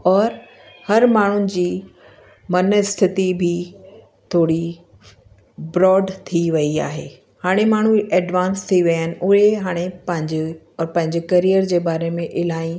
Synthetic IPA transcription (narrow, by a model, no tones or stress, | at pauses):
ɔːɾ | hɐɾmaːɳ̤ʊnɪ̆d͡ʑiː | mɐnɪst̪ʰɪt̪ibʱɪ | t̪ʰoːɽi | bɾɔːɖt̪ʰiʋɐia̰ːɦḛː | haːɽ̃emaːɳ̤uɛːɖʋãːnst̪ʰiʋɐjənɪ̆ʔʊɦeɦaːɽ̃epɐ̃ɦɪ̃ɲd͡ʑ | ɔːɾpɐ̃ɦɪ̃ɲd͡ʑekɐɾijəɾd͡ʑeːbaːɾemẽʔɪlaːĩ